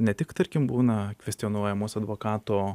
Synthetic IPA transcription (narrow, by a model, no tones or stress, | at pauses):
nʲɛt̪ʲɪkt̪ɐɾʲkʲɪmbuːnɐkʋʲɛsʲt̪ʲɪonuɔjɛmoːsʲɐd̪ʋoːkɑːt̪oː